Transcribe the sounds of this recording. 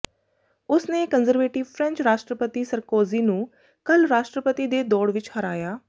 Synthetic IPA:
ʊsneːkənzəɾʋeːʈɪʋpʰɾɛ̃nt͡ʃɾaːʃʈɾəpət̪iːsəɾkoːziːnũː | kəlɾaːʃʈɾəpət̪iːd̪eːd̪ɔːɽʋɪt͡ʃhəɾa̰ːjaː

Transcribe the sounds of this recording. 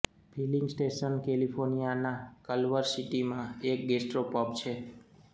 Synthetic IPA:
pʰiliŋɡsʈeʃənkelipʰoɾnijanakəlʋəɾsiʈimãek̚ɡesʈɾopɔp̚t͡ʃʰe

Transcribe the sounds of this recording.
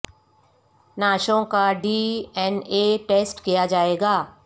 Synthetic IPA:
naːʃõkaɖiːɛneːʈeːsʈkijad͡ʒaːeːɡaː

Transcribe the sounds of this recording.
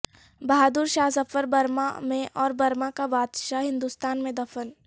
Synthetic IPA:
bɐɦaːd̪uːɾʃaːɦsɐfəɾbɐɾma̰mẽʔɔːɾbɐɾmakabaːd̪ʃaɦɪ̃nd̪uːst̪aːnmẽd̪ɐfəl

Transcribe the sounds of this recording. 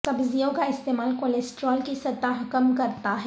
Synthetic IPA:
t̪ɐbzijõkaɪst̪eːmaːlkoːlesʈɾɔːlkisɐt̪ːaɦɐkəmkɐɾt̪aɦɛ

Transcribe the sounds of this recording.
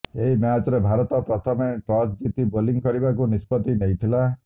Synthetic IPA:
eɦimjat͡ʃɔɾebʱaɾɔt̪ɔpɾɔt̪ʰɔmeʈɾɔt͡ʃd͡ʒit̪iboliŋkɔɾibakunispɔt̪inejt̪ʰila

